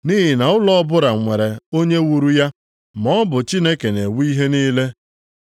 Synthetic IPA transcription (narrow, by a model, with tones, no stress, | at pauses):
ni˦ɦi˨na˨ʊ˦lɔ˦bʊ˦ɾa˨ŋʷe˨ɾe˨o˦ɲe˦wu˨ɾu˦ja˦ | mɔ˦bʊ˨t͡ʃi˦ne˦ke˨ne˨wi˦ɦe˦niː˦le˦